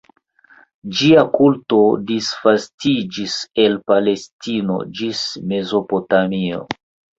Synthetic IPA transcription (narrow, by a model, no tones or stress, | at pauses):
d͡ʒiakulto̞disfastid͡ʒise̞lpale̞stino̞̰d͡ʒisme̞zo̞po̞tamio̞̰